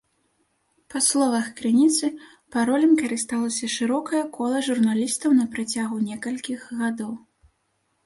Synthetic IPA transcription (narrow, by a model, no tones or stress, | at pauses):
pɐslˠɔvɐxkɾɨnʲit̪sɨ | paɾɔlʲɐmkɐɾɨst̪alˠɐsʲɐʂɨɾɔkɐjɐkʰɔlˠɐʐurnalʲist̪ɐwnɐpɾat͡sʲaɣunʲɛkɐlʲkʲiɣɣad̪ɔw